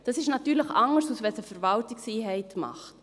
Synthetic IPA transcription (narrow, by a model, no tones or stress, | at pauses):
d̥ɑsɪʃnɑtːyːɾləχɑŋəɾsusvɛsəfɛɾvɑltiksiːɦɛɪtmɑ̰χt